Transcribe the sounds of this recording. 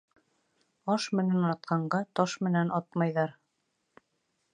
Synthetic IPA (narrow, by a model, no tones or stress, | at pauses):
ɑʃmɘ̆nænɑt̪̚qʰɑɴɢɑt̪ɑʃmɘ̆nænɑt̪mɑjðɑɾ